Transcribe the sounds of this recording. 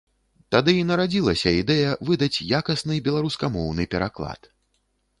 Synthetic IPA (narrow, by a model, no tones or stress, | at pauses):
t̪ad̪ɨinɐɾad͡zʲilˠɐsʲɐid̪ɛjɐvɨd̪ɐt͡sʲjakɐsnɨbʲɛlˠaɾuskamɔwnɨpʲɛɾaklˠa̰t̪